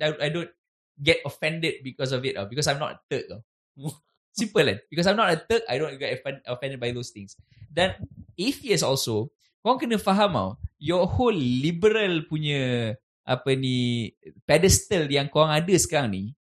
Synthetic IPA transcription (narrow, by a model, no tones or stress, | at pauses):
ajajdõn | ɡɛt̚ɔfɛ̃ndəd̚bikɔs̬ɔfita̰wbikɔsãjmnɔ̰tət̪ək̚a̰w | sĩmpəla̰nbikɔs̬ajmnɔtət̪ək̚a̰jdõnɡɛtfɛ̃nɔfɛ̃ndəd̚bajd̪ost̪ĩŋs | dãnifiəsɔlso | koãŋkənə̃faɦama̰wjɔholːibəɾalpuɲə̃ | ʔapənipɛdɛst̪əljaŋkoɾaŋadəsə̥kaɾaŋni